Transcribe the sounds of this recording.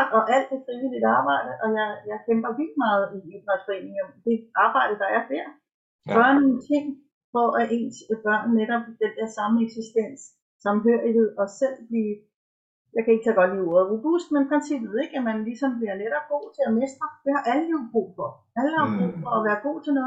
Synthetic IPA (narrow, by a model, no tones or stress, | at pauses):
ɒ̽ʔæl̰d̥e̝fʁiʋilid̥ɑ̈ːb̥ɑ̈ɪ̰dɾ̥əʔɒ̽jɑ̈ɪjɑ̈ɪkʰemb̥ɐʋild̥imɑ̈ːð̞̩ˠiid̥ʁɑnsfɒ̽e̝̰ːne̝ŋɒmd̥e̝ɑ̈ːb̥ɑ̈ɪ̰d̥əd̥ɑ̈æɐd̥eɐ̰ | ɡ̥ɶɐno̝ːnt͡sʰe̝ŋ̰ | fɒ̽ʔæʔe̝̰ːnsb̥ɶɐ̰nneɾ̥ɒ̽b̥̚d̥end̥eɐsɑ̈məeɡ̥sisd̥en̰sː | ɑ̈mɦøɐ̰ið̥eðˠɒ̽sel̰b̥liː | jɑ̈ɪkʰæeɡ̥t͡sʰɛɡ̥ɒ̽d̥liːoɐðˠʁob̥usd̥menpʰʁensib̥ð̩ˠe̝ɡ̥æmænlisɒ̽mb̥liɐneɾ̥ɐːɡ̥o̝̰ːt͡sʰe̝æmesd̥ʁɐd̥e̝hɑ̈ʔæləliːb̥ʁṵːfɒ̽ | æləd̥ɑb̥ʁṵːfɒ̽æʋæːɐɡ̥o̝̰ːt͡sʰe̝noː